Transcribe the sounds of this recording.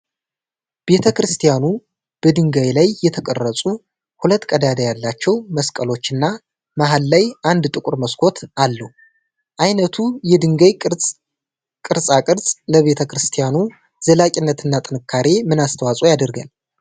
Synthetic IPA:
b̥e̞t̪ʰəkɾɨst̪ʰijanu | b̥əd̪ɨŋɡajlajːɛt̪ʰəkʼərːəsʼu | hulət̪ːkʼəd̪ad̪ajalːat͡ʃːɛwməskʼəlo̞t͡ʃːɨnːa | maɦalːajʔand̪t̪ʼɨkʼʊɾməskʰo̞t̪ʰalːəhu | ʔajnət̪ʰujɛd̪ɨŋɡaj | kʼɨɾsʼakʼɨɾsʼləβe̞t̪ʰəkɾɨst̪ʰijanu | zəlakʼɪnːət̪ʰɨnːat̪ʼɨnɨkʰːaɾe̞mɨnast̪ʰəwasʼujad̪əɾɡə̰n

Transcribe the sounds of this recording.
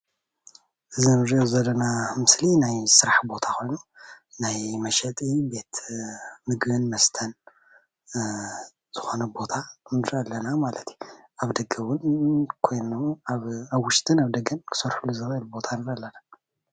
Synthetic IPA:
ʔɨzimɨɾjozɐlːɐnamɨslinajsɨɾaħbo̞t̪ʰakʰo̞jnu | najmɐʃɐt̪ʼibe̞t̪ | mɨɡβɨnmɐst̪ʰɐn | z̥ɨxo̞nɐbo̞t̪ʰanɨɾɐlːɐnamalɐt̪ʰju̥ | ʔaβd̪ɐɡɐwʊnkʰo̞jnuβaβwʊʃt̪ʰʼɨnaβd̪ɐɡɐnkʰɨ̥sɐɾħulːuzɐbɐlubo̞t̪ʰanɨɾɐlːɐna

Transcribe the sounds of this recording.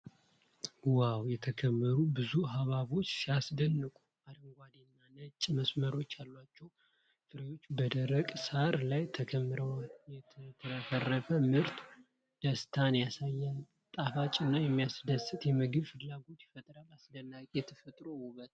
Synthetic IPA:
wawjɛt̪ʰəkʰəmːəɾubɨzuɦaβaβo̞t͡ʃːsijasd̪ənːɨkʼu̥ | ad̪əŋɡʷad̪inːanət͡ʃʼːməsməɾo̞t͡ʃːalːwat͡ʃːɛw | fɨɾəjo̞t͡ʃːbəd̪əɾəkʼsaɾlajt̪ʰəkʰəmːɨɾəwajɛt̪ʰəɾəfərːəfəmɨɾt̪ʰ | d̪̥əst̪ʰanjasajːal | t̪ʼafat͡ʃʼɨnːajɛmːijasd̪əsɨt̪jɛmɨɡɨβfɨlːaɡo̞t̪fət̪ʼɾalasd̪ənːakʼjɛt̪ʰəfət̪ʼɾowuβət̪

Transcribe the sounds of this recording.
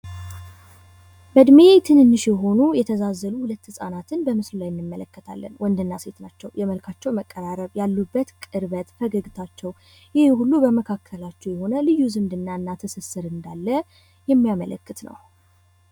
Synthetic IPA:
bəd̪me̞t̪ʰɨnɨnːɨʃjɛɦo̞nujɛt̪ʰəzazːəluhulət̪ːhɨsʼanat̪ʰɨnbəmɨslulajɪnːɨmːələkːət̪ʰa̰lːə̰nwɔnd̪ɨnːase̞t̪nat͡ʃːɛwjɛməlkʰat͡ʃːɛwməkʼːəɾaɾəβjalːubːət̪kʼɨɾβət̪fəɡəɡɨt̪ʰat͡ʃːɛw | jɪhhulːubəməkʰakʰːəlat͡ʃːɛwjɛho̞nəlɨjːuzɨmd̪ɨnːaɨnːat̪ʰəsəsɨɾɨnd̪alːə | jɛmːijamələ̰kːɨt̪nə̰w

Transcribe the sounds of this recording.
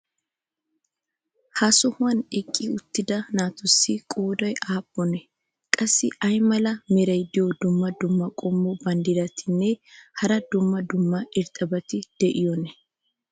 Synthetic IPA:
hɐsɔhʊwɐnɛkʼːɪʊt̪ːɪd̪ɐnaːt̪ʊsːɪkʼoːd̪ɔjʔaːbʼːɔnɛ | kʼɐsːɪʔɐjmɐlɐmɪɾɐjd̪ɪjɔd̪ʊmːɐd̪ʊmːɐkʼɔmːɔbɐnd̪ɪd̪ɐt̪ʰɪnːɛhɐɾɐd̪ʊmːɐd̪ʊmːɐɪɾt̪ʼɐbɐt̪ɪd̪̥ɛʔɪjɔnɛ

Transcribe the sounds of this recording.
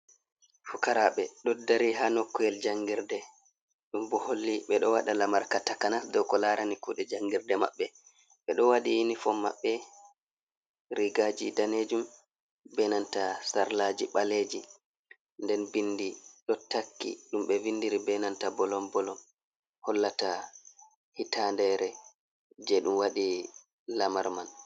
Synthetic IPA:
fukaɾaɓɛɗɔdaɾiɦanɔkːɔjɛld͡ʒaŋɡiɾdɛ | ɗumbɔholːiɓɛɗɔwaɗalamaɾkatakanasdɔkɔlaɾanikuɗɛd͡ʒaŋɡiɾdɛma̰ɓːɛ | ɓɛɗɔwaɗijinifɔmːa̰ɓːɛ | ɾiɡad͡ʒidaned͡ʒum | bɛnantasaɾlad͡ʒiɓaled͡ʒi | ndɛnbindiɗɔtakːḭɗumɓɛvindiɾibɛnantabɔlɔmbɔlɔm | hɔlːata | hitandɛɾɛ | d͡ʒɛɗumwaɗi | lamaɾman

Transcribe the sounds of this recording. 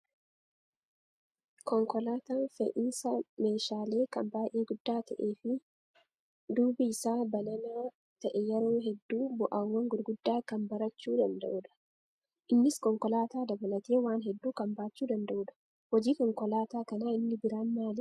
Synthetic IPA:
kɔŋkɔlaːt̪aːnfɛ̰ʔɪnsɐme̞ːʃaːle̞ːkɐmbaːjʔeːɡʊd̪ːaːt̪ɐʔe̞ːfɪ | d̪uːbiɪsaːbɐlɐnaː | t̪ɐʔɛjɛɾoːɦɛd̪ːuːbʊʔawːɐŋɡʊɾɡʊd̪ːaːkɐnbɐɾɐt͡ʃːuːd̪ɐnd̪ɐ̰ʔʊᶑɐ̥ | ʔɪnːɪskɔŋkɔlaːt̪aːd̪ɐbɐlɐt̪e̞ːwaːnɦɛd̪ːuːkɐmbaːt͡ʃːuːd̪ɐnd̪ɐʔʊᶑɐ̥ | hɔd͡ʒiːkɔŋkɔlaːt̪aːkɐnaːɪnːɪbɪɾaːnmaːlɪ

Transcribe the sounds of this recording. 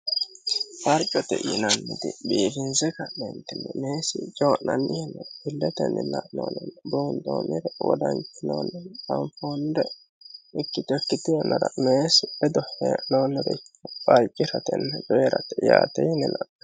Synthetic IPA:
fɐɾt͡ʃʼɔt̪ɛ̰jɪ̰nɐnːɪd̪ɪbiːfɪnzɛkɐnɛnt̪ɪnɛmeːsɪt͡ʃʼoːnɐnːɪjɛnːɐɾbɪlːɛt̪ɛ̰nːɛla̰ʔno̰ːnɛnb̪uːnd̪o̰ːmɪɾɛwɔ̰d̪ɐnt͡ʃːɪno̰ːnːɛntɐmfoːnd̪ɛ | ɪkːɪt̪ɔkːɪt̪ɪjɛnːɐɾɐmeːsɪbɛd̪ɔhɛnoːnːɛɾɛkːɐpʼɐd͡ʒɪɾɐt̪ɛnːɛd͡ʒɔjɛɾɐt̪ɛjaːt̪ɛjɪnɛlɐ

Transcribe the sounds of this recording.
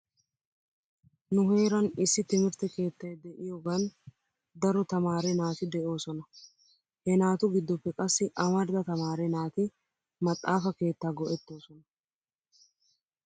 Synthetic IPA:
nʊɦe̞ːɾɐnɪsːɪt̪ɪmɪɾt̪ɛke̞ːt̪ːɐjd̪ɛʔɪjoɡɐn | d̪ɐɾɔt̪ɐmaːɾɛnaːt̪ɪd̪ɛʔo̞ːsɔnɐ | hɛnaːt̪ʊɡɪd̪ːɔpːɛkʼɐsːɪʔɐmɐɾd̪ɐt̪ɐmaːɾɛnaːt̪ɪ | mɐt̪ʼːaːfɐke̞ːt̪ːaːɡɔʔɛt̪ːo̞ːsɔnɐ

